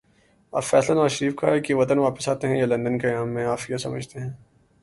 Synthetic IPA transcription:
a̰ːfɛːslanaːʃəɾiːfkaɛkiʋɐt̪ənʋaːpəsaːt̪eɦɛ̃jelɐ̃nd̪ənkeaːmːẽaːfijasɐmə̰d͡ʒʱt̪eɦɛ̃ː

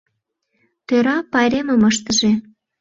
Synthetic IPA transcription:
t̪øɾɑpɑjɾemə̆məʃt̪əʒe

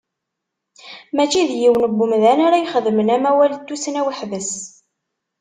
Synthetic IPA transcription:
mæt͡ʃːiðjiwənəbːumðænaɾajχəðmənæmæwælt̪ːusnæwiħvəs

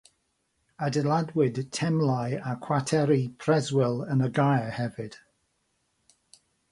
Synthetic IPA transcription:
adɛlˠadwɪd̥tʰɛmlajakʰw̥atʰɛɾipʰr̥ɛzwɪlˠənəɡajhɛvɪd̥

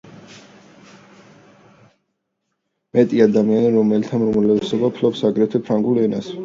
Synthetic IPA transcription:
mɛt̪ʼiad̪amianiɾɔmɛlit̪ʰamɾɔmlɛvɛsɔbapʰlɔpsaɡɾɛt̪ʰɛpʰɾaŋɡulˠɛnas

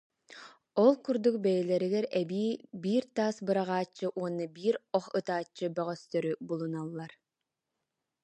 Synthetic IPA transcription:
ɔlˠkuɾd̪uk̚bɛjɛlɛɾiɡɛɾɛbiːbiːɾt̪aːsbɯɾaʁaːt͡ɕːɯʔuɔnːɯbiːɾɔχɯt̪aːt͡ɕːɯbœʁœst̪œɾybulˠunalˠːaɾ

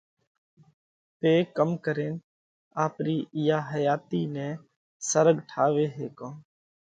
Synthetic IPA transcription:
p̪eːkəmkəɾeːn | aːpɾiːɪjaːɦəjaːt̪iːnɛ̃ː | səɾəɡʈʰaːʋeːɦeːkõː

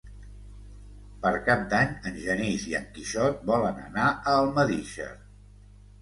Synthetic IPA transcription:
pəɾkap̚d̪aɲənʲʒəniziə̰ŋkiʃɔt̪̚bɔlənə̰naəlˠməðiʃə̰

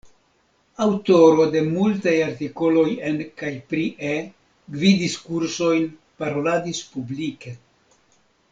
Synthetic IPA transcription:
awto̞ɾo̞de̞multajaɾtiko̞lo̞je̞nkajpɾiʔe | ɡvidiskuɾso̞jn | paɾo̞ladispublike̞

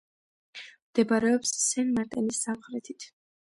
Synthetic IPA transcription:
md̪̥ɛbaɾɛɔpssɛnmaɾt̪ʼɛnisːamχɾɛt̪ʰit̪ʰ

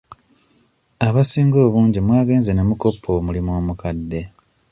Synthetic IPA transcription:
aβasiːŋɡo̞ːβuːɲɟimwaːɡe̞ːnzenemuko̞pʰːo̞ːmulimoːmukadːe̞

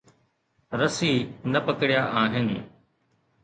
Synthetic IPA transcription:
ɾəsiːnɐpəkɽɪjaːʔaːɦɪnɪ̆

